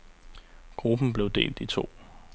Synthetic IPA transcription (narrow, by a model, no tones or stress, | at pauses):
ɡ̥ʁub̥n̩b̥le̝ʊd̥e̝̰ːld̥it͡sʰo̝̰ː